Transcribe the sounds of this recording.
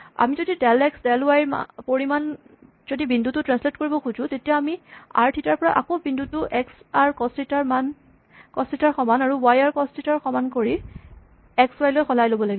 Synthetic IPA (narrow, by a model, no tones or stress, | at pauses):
a̰mizodidɛlɛksdɛlwajm̰poɹiman | zodibindutʊtɹansletkoɹibɔkʰuzʊ̃tetijaamia̰ɹtʰitaɹpɔɹa̰ʔa̰kobindutʊʔɛksaɹkɔstitaɹman | kɔsitaɹxɔmanaɹuwajaɹkɔstitaɹxɔmankoɹi | ɛkswajlojxʰɔlajlobɔlaɡibɔ